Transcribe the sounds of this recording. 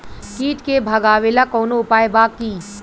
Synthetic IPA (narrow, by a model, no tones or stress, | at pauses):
kiːʈkebʱɐɡaːʋelakoːnoʊpaːebaːkːiː